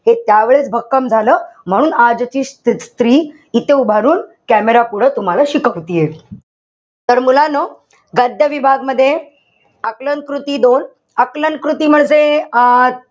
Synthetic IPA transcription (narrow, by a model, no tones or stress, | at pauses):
het̪jaʋeɭet͡sbʱəkkːəmd͡zʱaləːm̤əɽ̃uːnad͡zt͡ɕiːst̪it̪st̪ɾiː | it̪eubʱaɾuːnkæmeɾakuɽ̤ət̪um̤alaɕikəʋt̪ije | t̪əɾmulanə | ɡəd̪jəʋibʱaɡməd̪ʱːje | əkləŋkɾut̪iːd̪on | əklənkɾut̪iːm̤əɳd͡ze